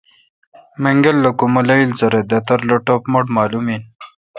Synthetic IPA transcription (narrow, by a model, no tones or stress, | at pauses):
meŋɡɐlːɐkumulajlt͡sɐɾed̪ɐt̪ɐɾloʈopmoʈmaːlumin